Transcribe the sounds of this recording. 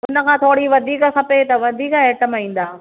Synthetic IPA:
ʊnə̆kʰãːt̪ʰoːɽiʋɐd̪ʱiːkxɐpet̪ɐʋɐd̪ʱiːkeːʈəmaĩːn̆d̪aː

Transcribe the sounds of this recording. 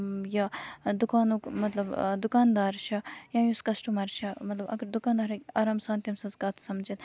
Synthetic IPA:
jɐd̪ukaːnukmɐt̪lɐbd̪ukaːnd̪aːɾʃʰɐjãːjuskɐsʈumɐɾt͡ʃʰɐmɐt̪lɐbɐ̰ɡɐɾd̪ukaːnd̪aːɾɐɐɾaːmsãːnt̪ʲjimsɐnzkat̪ʰsɐmd͡ʒit̪

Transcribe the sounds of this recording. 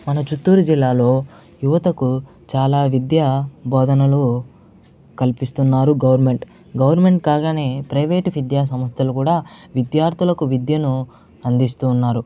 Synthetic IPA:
mɐnɐt͡ʃut̪ːuːɾud͡ʒilːaːlo̞ː | juʋɐt̪ɐku | t͡ʃaːlaːʋid̪jaːbɔːd̪ʱɐnɐlu | kɐlpist̪unːaːɾuɡɐʋɐɾme̞ɳʈ | ɡɐʋɐɾme̞ɳʈkaːɡaːne̞ːpɾɐjʋeːʈʋid̪jaːsɐmɐst̪ʰɐlukuːɽaːʋid̪jaːɾt̪ʰulɐkuʋid̪jɐnu | ɐnd̪ist̪uːnːaːɾu

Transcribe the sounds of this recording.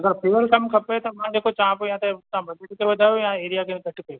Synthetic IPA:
ɐɡəɾpʰiːʋəɾkɐmkʰɐpet̪oʋɐɦãd͡ʒeːkʰot͡ʃãːpojɦãt̪et̪ãbɐd̪ʱekkebɐd̪ʱaːjojãeːɾijakeɡʱɐʈkːo

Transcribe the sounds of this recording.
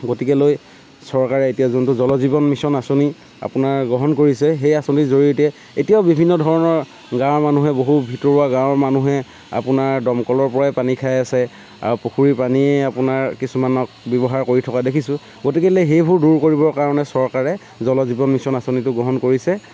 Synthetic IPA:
ɡotikɛloj | sɔɹkaɹɛetijazɔntʊzɔlɔzibɔnmisɔnasoni | a̰pʊnaɹɡɔɦɔnkoɹisɛɦejasonizoɹiotɛ | etijaʊbibʱinːɔdʱɔɹɔnɔɹ | ɡãwmanuɦɛboɦubʱitɔɹuaɡãwmanuɦɛ | a̰pʊnaɹdɔmkɔlɔɹpɔɹajpanikʰajasɛ | a̰ɹupokʰuɹipaniɛapʊnaɹkisumanɔk̚bɔbɔɦaɹkoɹitʰɔkadekʰisʊ̃ | ɡotikɛlojɦejbʱuɹduɹkoɹibɔɹkaɹɔnɛsɔɹkaɹɛ | zɔlɔzibɔnmisɔnasonitʊɡɔɦɔnkoɹisɛ

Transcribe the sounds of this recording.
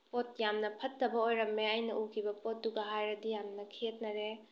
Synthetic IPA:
pot̚jamnɐpʰɐtːɐbɐojɾɐmːeajnɐʔukʰibɐpot̚ːuɡɐɦajɾɐdijamnɐkʰet̚nɐɾe

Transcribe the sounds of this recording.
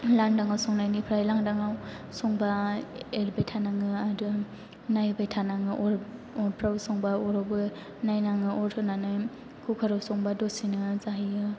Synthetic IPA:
landaŋawsɔŋnajnipʰɾajlaŋdaŋaw | sɔŋbaelbajtʰanaŋɯadu | najbajtʰanaŋɯʔɔɾ | ɔɾpʰɾawsɔŋbaɔɾɔbɯ | najnaŋɯɔɾtʰɯnanɯ | kʰukʰaɾɔwsɔŋbadosinɯzaɦijɯ

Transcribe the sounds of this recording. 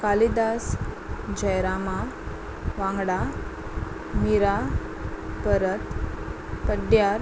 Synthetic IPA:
kalid̪as | d͡ʑəjɾama | ʋãŋɡɽa | miɾa | pəɾət̪ | pəɖjaɾ

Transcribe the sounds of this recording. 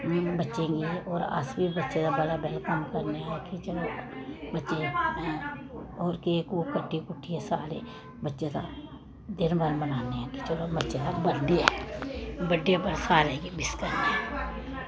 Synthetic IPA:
bətːʃẽɡeoːɾə̰sbibətːʃed̪ãbəɽabɛːlkəmkəɾneaɛkit͡ʃəlobətːʃe | oːɾkekukəɖːikʊʈʰːiɛsaːɾe | bətːʃet̪a̰ | d̪ɪnbəɾmənaːneɛ̃kit͡ʃəlobətːʃet̪ãbəɖiɛː | bəɖiabəɽsaːɾeːkibɪskəɾneɛː

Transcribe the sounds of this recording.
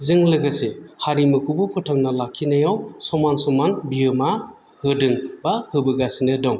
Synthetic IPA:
zɯŋlɯɡɯsehaɾimɯkʰubɯpʰɯtʰaŋnalakʰinajawsɔmansɔmanbijɯma | hɯdɯŋbahɯbɯɡasinɯdɔŋ

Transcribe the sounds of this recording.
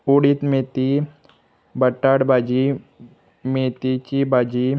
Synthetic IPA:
oɽit̪met̪i | bəʈːaɽbad͡ʒi | met̪it͡ʃibaːd͡ʒi

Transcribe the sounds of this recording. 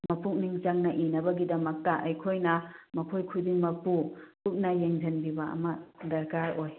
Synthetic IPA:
mɐpʰuk̚niŋt͡ʃaŋnɐʔinɐbɐɡidɐmɐk̚tɐʔɐjkʰojnɐmɐpʰojkʰudiŋmɐpupuk̚nɐjeŋd͡ʒɐnbibɐɐ̰mɐdɐɾkaɾoj

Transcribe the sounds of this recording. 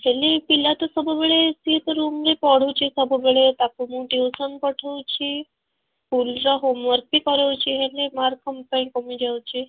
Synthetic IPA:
ɦelepilat̪osəbəbɭesit̪əɾumɾepɔɽ̤ət͡ɕisəbəbɭet̪akumuʈiʋsənpəʈʰəwt͡ɕi | pulɾaɦomʋəɾp̪ikəɾəwt͡ɕiɦelemaɾkəmpaj̃kəmid͡ʑawt͡ɕi

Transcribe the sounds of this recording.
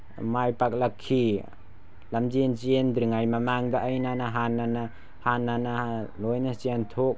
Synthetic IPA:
majpak̚lakʰːi | lamd͡ʒensiendɾɯŋajmamaŋdaʔːjnanaɦanːana | hanːanalojnasiantʰok̚

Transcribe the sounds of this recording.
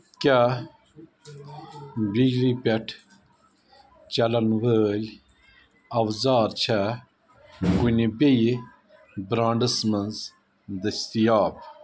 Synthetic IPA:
kʲa | biːɾipʲeʈʰ | t͡ɕɐlɐnwəlʲ | ɐwzaːɾt͡ɕʰa | ɡunibej | bɾãːɳɖəsmɐnz | d̪ɐst̪ijaːb

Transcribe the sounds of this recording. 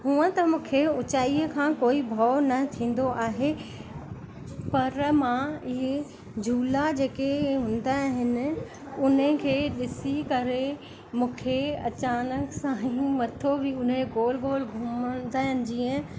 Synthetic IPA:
ɦũːə̃t̪ɐmũːkʰeʊt͡ɕaːiəkʰãːkoːibʱɔːnɐt̪ʰĩːn̆d̪oʔaːɦe | pɐɾmãɪɦe | d͡ʑʱuːlad͡ʑeːkeɦʊ̃ːn̆d̪aɦɪnɪ̆ | ʊnəkʰeːɗɪsikɐɾe | mũːkʰeɐ̰t͡ɕaːnəksãːɦĩmɐt̪ʰobʱiʊneɡoːlɡoːlɡʱʊmənd̪aːɦɪnɪ̆d͡ʑiːə̃

